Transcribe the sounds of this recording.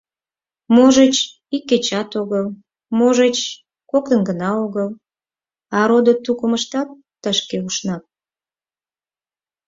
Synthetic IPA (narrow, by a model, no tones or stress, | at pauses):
moʒet͡ɕ | ikːet͡ɕɑt̪oɣəl | moʒet͡ɕ | kokt̪ənɡənɑoɣəl | ɑɾod̪ot̪ukəməʃt̪ɑt̪ːəʃkeuʃnɑp̚